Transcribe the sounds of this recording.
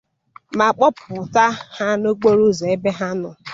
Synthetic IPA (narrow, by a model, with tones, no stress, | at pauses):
ma˨k͡pɔ˦pʊ˨ta˦ha˦no˦k͡po˦ɾu˦˨ze˨e˦be˦ɦa˦nʊ˨